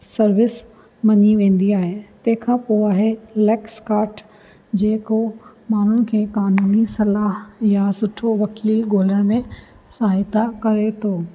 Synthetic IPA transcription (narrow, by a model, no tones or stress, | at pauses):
sɐɾʋɪs | mɐɲiʋẽːn̆d̪iaːɦet̪ɐ̃ɦɪ̃kʰãpoːaːɦelɛːkskaːɾʈ | d͡ʑeːkomaːɳ̤ʊnɪ̆kʰẽːkaːnuːnisɐlaːɦjasʊʈʰoʋɐkiːlɡoːləɽ̃mẽ | saːɪt̪akɐɾet̪ʰoː